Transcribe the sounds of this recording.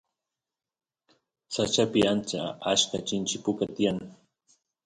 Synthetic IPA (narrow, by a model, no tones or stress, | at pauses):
sat͡ʃapɪant͡ʃa̰aʃkat͡ʃɪnt͡ʃɪpʊkat̪ɪjaŋ